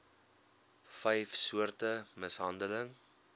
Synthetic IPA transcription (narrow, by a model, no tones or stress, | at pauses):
fɛjfsuərtəməsɦɐndələŋ